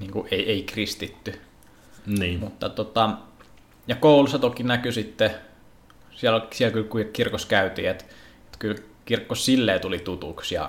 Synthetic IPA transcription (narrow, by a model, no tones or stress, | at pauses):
niːŋkuʔʔeˑieikrist̪it̪ːy | niːmut̪ːɑt̪ot̪ɑ | jɑkoˑulusːɑt̪okinækysit̪ːe | sielosielkylkuikirkoskæyt̪ḭet̪ | et̪kylkirkːosilːeːt̪ulit̪ut̪ṵksjɑ̰